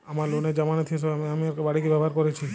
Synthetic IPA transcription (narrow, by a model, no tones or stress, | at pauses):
amaɾloned͡ʒamanet̪ʰieseameamiaɾkebaɽikebabʱaɾkɔɾet͡ʃʰi